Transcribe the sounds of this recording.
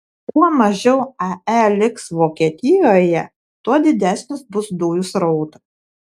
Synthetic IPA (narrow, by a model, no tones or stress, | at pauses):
kuɔmɐʒʲɛʊɐælʲɪksʋoːkʲiɛt̪ʲɪjoːjɛ | t̪uɔd̪ʲɪd̪ʲæsʲnʲɪsbʊsd̪uːjʊsɾɔʊt̪ɐ̥